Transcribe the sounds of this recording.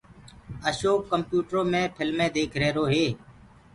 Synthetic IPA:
əʃoːkːəmpjuːʈɾõːmẽːpʰɪlmẽːd̪eːkʰɾeːɾoːɦeː

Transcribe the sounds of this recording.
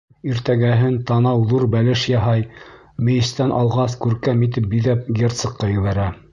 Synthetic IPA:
iɾt̪æɡæɦɘnt̪ɑnɑwðuɾbælɘʃjɑɦɑj | mɘ̆jɘ̆st̪ænʔɑlˠʁɑskʉɾkæmit̪̬ɘp̚biðæp̚ɡʲert̪sɤ̆qːɑjɵ̆βæɾæ

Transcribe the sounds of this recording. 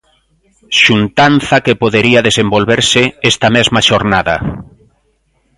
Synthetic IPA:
ʃunt̪anθɐkepoðeɾiaðesembolβeɾsɪɛst̪ɐmɛzmaʃoɾnaða̰

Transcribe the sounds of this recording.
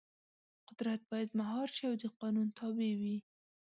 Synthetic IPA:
qʊd̪ɾat̪̚bɑjad̪maɦɑɾʃiawd̪əqɑnunt̪ʰɑbewi

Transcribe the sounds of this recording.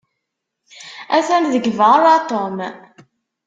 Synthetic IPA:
æθænðəɡvəɾˤat̪ˤom

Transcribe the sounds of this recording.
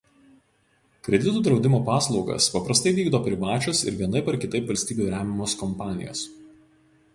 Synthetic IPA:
kɾʲɛd̪ʲɪt̪uːd̪ɾɒʊd̪ʲɪmoːpɑːslˠɒʊɡɐ̰spɐpɾɐst̪ɐɪʋʲiːɡd̪oːpʲɾʲɪʋɑːt͡ʃʲʊsɪ̰ɾʋʲiɛnɐɪpɐɾkʲɪt̪ɐɪpʋɐlʲst̪ʲiːbʲuːɾʲæːmʲɪmoːskɔmpɑːnʲɪ̰jo̰ːs

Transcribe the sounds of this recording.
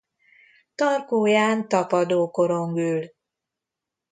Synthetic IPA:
t̪ɒrkoːjaːnt̪ɒpɒd̪oːko̞ɾo̞ŋɡyːl

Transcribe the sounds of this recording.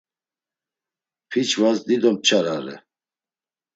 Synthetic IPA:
pʰit͡ʃʰvazd̪id̪ɔmt͡ʃʰaɾaɾɛ̰

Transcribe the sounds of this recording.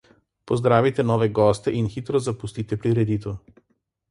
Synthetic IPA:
pɔzd̪ɾavit̪ɛnɔvɛɡɔst̪ɛʔinxit̪ɾɔzapust̪it̪ɛpɾiɾɛd̪it̪ɔ

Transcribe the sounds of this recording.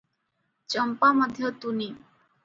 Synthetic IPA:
t͡ɕəmpaməd̪ʱːjət̪uni

